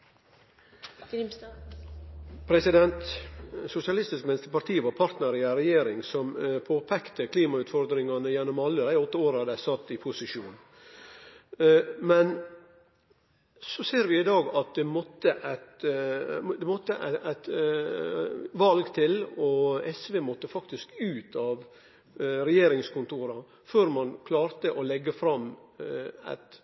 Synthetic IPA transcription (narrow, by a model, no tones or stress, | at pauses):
pʰɾɛsɪd̪ɛnt̪sʊsɪɑlɪst̪ɪskmɪnɪst̪əpɑɾʈ̪ʰiːʋɑɾpʰɑɾt̪nəɾɪɑɾɛjeːɾɪŋsɔmpʰoːpʰɛkt̪əkʰliːmɑʉːt̪fɔɾd̪ɾɪŋɑnəjɛnːɔmɑlːəd̪æɪɔt̪ːəoːɾɑd̪æɪsɑt̪ːɪpʰʊsɪʂuːn | mɛn | sɔseːɾʋɪɪd̪ɑːɡɑt̪̚d̪ɛmɔt̪ːəʔæɪt̪ | d̪ɛmɔt̪ːəʔæ̰ɪæɪt̪ | ʋɑlɡt̪ʰɪlɔɛsʋeːmɔt̪ːəfɑkt̪ɪskʉːt̪ʰɑʋ | ɾɛjeːɾɪŋskʊnt̪ʰuːɾɑ | føːɾmɑnkʰlɑːɾt̪əʔɔlɛɡːəfɾɑm | æ̰ɪt̪